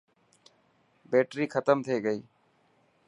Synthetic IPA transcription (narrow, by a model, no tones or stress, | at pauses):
beːʈɾiːkʰət̪əmt̪ʰeːɡəiː